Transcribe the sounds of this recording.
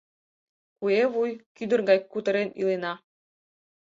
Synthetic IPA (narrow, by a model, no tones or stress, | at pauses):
kueβujkyd̪ə̆rɡɑjkut̪ə̆ɾenilenɑ